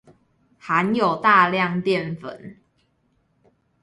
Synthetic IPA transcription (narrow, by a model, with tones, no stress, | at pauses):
ha˨˦njo˨˩ʊt̪a˥˧ljɑ˥˨ŋt̪jɛ˥˨nfə̰˨˩˦n